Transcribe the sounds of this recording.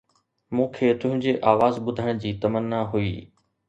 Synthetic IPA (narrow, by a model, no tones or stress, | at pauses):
mũːkʰeːt̪ʊ̃ɦɪ̃ɲd͡ʑeːʔaːʋaːzɓʊd̪ʱəɽ̃d͡ʑiːt̪ɐmənːaɦuḭː